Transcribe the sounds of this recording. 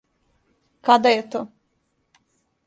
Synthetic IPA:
kad̪ajet̪oː

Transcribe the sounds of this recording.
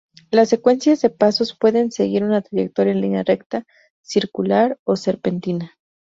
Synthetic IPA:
lasːekwe̞nsjazðepaso̞spwe̞ðe̞nseɣiɾunat̪ɾaʝek̚t̪oɾjaenlinjarekt̪a | siɾkulaɾoseɾpe̞nt̪ina

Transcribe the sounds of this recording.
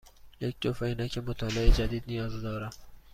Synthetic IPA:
jek̚t̪ofainækʰemot̪ʰɒːleed͡ʒad̪iːd̪nijɒːzd̪ɒːɾæ

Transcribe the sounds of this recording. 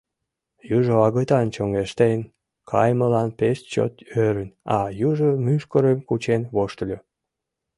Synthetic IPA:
juʒoɑɣət̪ɑnt͡ɕoŋɡeʃt̪en | kʰɑ̰jməlɑnpeʃt͡ɕo̰t̪øɾənɑjuʒomyʃkəɾemkut͡ɕenβoʃt̪əlʲo

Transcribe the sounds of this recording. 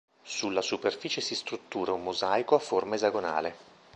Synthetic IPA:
sulːasuperfiːt͡ʃesist̪ɾut̪ːuːɾaumːozajkoafːormaezaɡona̰ːle

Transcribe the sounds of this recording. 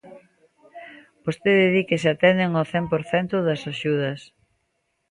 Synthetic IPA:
b̥ost̪eðɪðikɪsɪat̪ɛnd̪eŋoθɛmpoɾθɛnt̪ʊðɐsaʃuð̞ɐs

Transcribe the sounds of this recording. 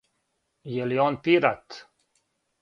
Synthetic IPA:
jɛliɔnpiɾat̪

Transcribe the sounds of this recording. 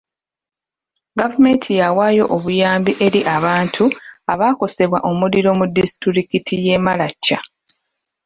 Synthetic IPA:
ɡavume̞ːntʰijawaːjo̞ʔoβujaːmbiʔe̞ɾiʔaβaːntʰuaβaːko̞se̞βwaʔo̞muliɾo̞mudisi̥tiɾikitʰije̞ːmalacːa

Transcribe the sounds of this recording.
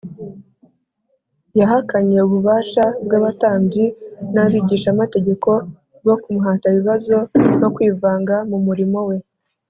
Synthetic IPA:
jaɦakaɲe̞uβuβaːʃabɡaβataːɲbinaβiːɟiːʃamate̞ɟe̞ko̞ | bɡo̞kumuɦataiβiβazo̞no̞kwiːvaːŋɡamumuɾimo̞we̞

